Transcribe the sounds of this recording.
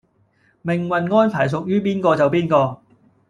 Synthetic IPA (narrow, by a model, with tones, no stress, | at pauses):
mɪ˨ŋwɐ˨nŋɔː˥npʰaː˨˩js̬ʊ˨k̚jyː˥piː˥nkɔː˧t͡sɐ˨wpiː˥nkɔː˧